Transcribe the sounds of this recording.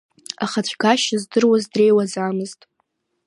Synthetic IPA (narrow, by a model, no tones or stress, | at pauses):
aχat͡ɕʷʰɡaʃazdɨrwazdre̞jwazaːmɨztʼ